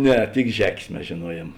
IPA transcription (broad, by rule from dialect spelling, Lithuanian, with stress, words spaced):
ˈnʲɛ tʲɪk ˈʒʲæːkʲeːs mʲɛs ʒʲeːˈnuɔjiɛm